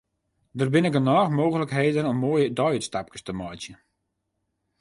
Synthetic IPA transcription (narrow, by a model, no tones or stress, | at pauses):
dərbɪnɪkənɔːxmoːɣələkɦeːdənɔmːoːəjədɔjətstap̚kə̥stəmɔjtjə